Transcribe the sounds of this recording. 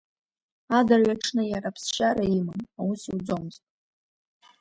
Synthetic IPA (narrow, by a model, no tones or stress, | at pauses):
adarɥʷaʈ͡ʂʰnɨjarapʰsʃaɾaimɨmausiwd͡zomɨztʼ